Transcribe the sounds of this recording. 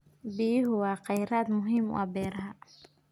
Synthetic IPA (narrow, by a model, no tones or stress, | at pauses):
bijɪɦʊwɑːqɛjɾaːd̪mʊɦiːmʊ̰ɐbɛːɾɐɦɐ